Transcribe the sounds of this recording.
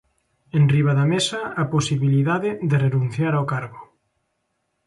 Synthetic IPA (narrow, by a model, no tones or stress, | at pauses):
enriβ̞aðɐmesɐaposiβiliðaðɪðɪrenũn̟θjaɾaokaɾɣʊ